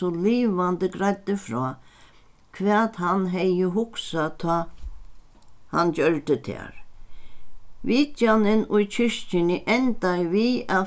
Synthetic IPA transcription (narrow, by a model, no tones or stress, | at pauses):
ɔliːʋand̪əɡɾajt̪ːəfɾɔː | kʰʋɛːt̪ɦanɦɛjəɦʊksat̪ʰɔː | hant͡ɕœɹt̪ət̪ʰɛ̰ːɹ | ʋiːt̪janɪnʊjt͡ʃʰɪʂt͡ʃɪnɪʔɛnt̪ajʋia